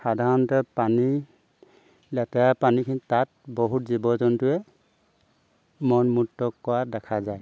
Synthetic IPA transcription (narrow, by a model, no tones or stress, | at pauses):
xadʱaɹɔntɔpani | lɛtɛjapanikʰinitat̚bɔɦutzibɔzɔntʊɛ | mɔnmutːɔkːɔwadɛkʰazaj